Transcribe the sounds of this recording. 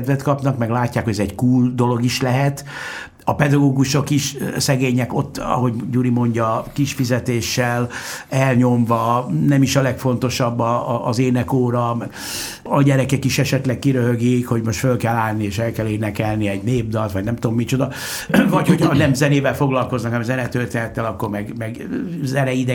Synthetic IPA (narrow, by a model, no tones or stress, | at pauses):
d̪vɛt̪kɒpnɒkmɛɡlaːcːaːkhoɛzɛɟkuːld̪o̞lo̞ɡiʃlɛɦɛt̪ | ɒpɛd̪ɒɡoːɡuʃo̞kiʃsɛɡeːɲɛko̞t̪ːɒ̰ɦo̞ɟɟuɾimo̞ɲɟɒkiʃfizɛt̪eːʃːɛlɛlɲo̞mvɒnɛmiʃɒlɛkfo̞n̪t̪o̞ʃɒbːɒːzeːnɛkoːɾɒm | ɒɟɛɾɛkɛkiʃɛʃɛt̪lɛk̚kiɾøɦøɡikho̞ɟmo̞ʃt̪følkɛlːaːlnieːʃɛlkɛleːnɛkɛlniɛɟneːb̚d̪ɒlt̪ʋɒɟnɛmt̪oomːit͡ʃo̞d̪ɒ | vɒcho̞cʰhɒnɛmzɛneːvɛlfo̞ɡlɒlko̞znɒkɛmzɛnɛt̪ørt̪eːnɛt̪ːɛlɒkːo̞rmɛɡmɛɡ | zɛnɛid̪ɛ